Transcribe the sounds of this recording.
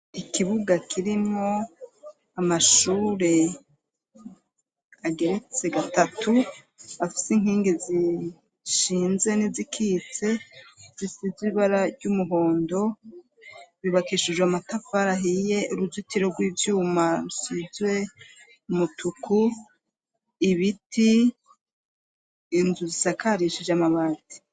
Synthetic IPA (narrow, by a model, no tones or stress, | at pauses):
ikiβuɡakʰiɾimŋo̞ | amaʃuːɾe̞ | aɡe̞ɾe̞t͡se̞ɡatatʰu | afi̥siŋ̥hiːŋɡezi | ʃiːnze̞nizikʰiːt͡se̞z̥isiziβiβaɾaɾɟumuɦo̞ːndo̞ | βiβakiʃiʒweamatafaɾaɦije̞uɾuzitiɾo̞ɾɡwiːvjuːmaɾusizwe̞ | umutʰukʰu | iβitʰi | nzuzisakaɾiʃiʒamaβaːti̥